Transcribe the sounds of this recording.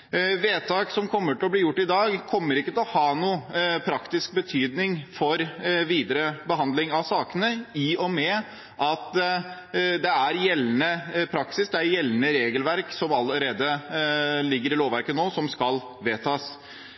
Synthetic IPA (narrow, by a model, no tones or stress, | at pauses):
ʋeːt̪ʰɑːksɔmkʰɔmːəʈɪlɔbliːjʊʈːɪd̪ɑːɡkʰɔmːəɾɪkːət̪ɛlɔhɑːnuːpʰɾɑkt̪ɪsk̚bət̪ʰyːd̪nɪŋfɔɾʋiːd̪əɾəbəɦɑnd̪lɪŋɑʋsɑːkənəɪɔmɛ | ʔɑt̪ | d̪ɛæɾjɛlːnəpʰɾɑksɪsd̪ɛæɾjɛlːnəɾeːɡəlʋæɾksɔmɑlːəɾeːd̪ə | lɪɡːəɾɪloːʋæɾkənoːsɔmskɑl | ʋeːt̪ʰɑːs